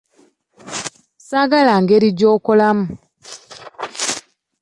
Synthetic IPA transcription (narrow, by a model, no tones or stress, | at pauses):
saɡalaŋɡeɾiɟoːkolamu